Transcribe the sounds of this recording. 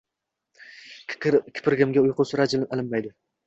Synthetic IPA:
kʲʰɪ̥pʰɪɾɡʲɪmɡʲaʊjqʰʊsɪɾad͡ʒlɪnalɪnːajd̪ɪ

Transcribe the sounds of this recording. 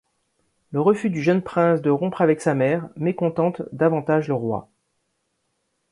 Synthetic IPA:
ləʁəfyd̪yʒənpχɛ̃sd̪əʁɔ̃pχavɛksamɛʁmekɔ̃t̪ɑ̃t̪d̪avɑ̃t̪aʒləʁwa̰

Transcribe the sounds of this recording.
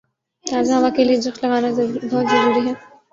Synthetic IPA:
t̪aːzãʋakelied͡ʒɐxlɐɡaːnabʱɔːt̪zɐɾuːɾiɦɛː

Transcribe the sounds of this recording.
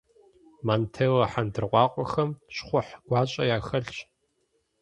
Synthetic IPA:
maːntʰeːwɐħandɨrqʷɑːqʷʼɔxɐmɕχʷʊħɡ̥ʷɑːɕʼɐ̰jaːxɐɬɕ

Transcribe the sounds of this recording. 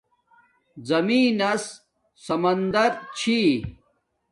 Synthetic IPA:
zɐmiːnɐs | sɐmɐnd̪ɐɾt͡ɕʰi

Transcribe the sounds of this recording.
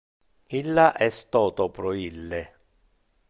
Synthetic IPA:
ilːaʔɛst̪ɔːt̪ɔpɾoilːe

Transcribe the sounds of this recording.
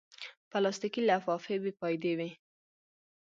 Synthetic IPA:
palɑst̪ikilafɑfebipɑjd̪ewi

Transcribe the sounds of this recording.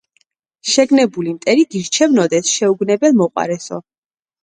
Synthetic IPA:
ʃɛɡnɛbulimt̪ʼɛɾiɡiɾt͡ʃʰɛvnɔd̪ɛsʃɛuɡnɛbɛlˠmɔqʼwa̰ɾɛsɔ̰

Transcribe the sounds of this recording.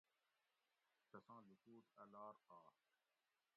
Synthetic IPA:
t̪ɐsãːlukuːt̪ɐlaːɾqaː

